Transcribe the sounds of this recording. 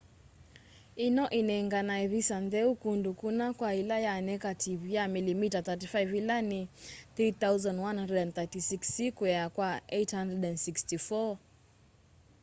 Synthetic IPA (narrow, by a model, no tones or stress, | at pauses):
inɔʔinɛiŋɡanaɛvisandɛukundukunakwailajaːnɛkatʰivijamilimitatat̬ifajvilaniθɾiθauzãndwanhãndɛdɛnθatisiksːikujɛakwaɛjthandɾɛdɛndsikstifɔ